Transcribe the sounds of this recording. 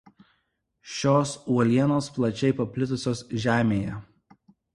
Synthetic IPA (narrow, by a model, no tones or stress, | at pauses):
ʃʲoːsuɔlʲiɛnoːsplˠɐt͡ʃʲɛɪpɐpʲlʲɪt̪ʊsʲoːsʒʲæːmʲeːjɛ